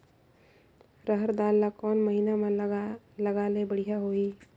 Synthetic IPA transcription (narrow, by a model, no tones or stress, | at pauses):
ɾəɦəɾd̪alːakɔːnməɦiname | ləɡalebəɽ̤ijaɦoi